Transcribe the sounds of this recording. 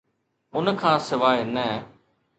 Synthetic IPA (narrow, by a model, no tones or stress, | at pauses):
ʊnkʰãːsɪʋaːenɛː